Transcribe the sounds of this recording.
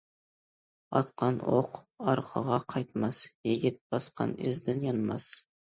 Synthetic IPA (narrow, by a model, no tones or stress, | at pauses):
ɑ̰t̪qɑno̰qɑɾqʰɑʁɑqʰɑjt̪mɑsjeɡʲɪt̪̚b̥ɑsqɑ̰nɪ̰zd̪ɪnjɑnmɑs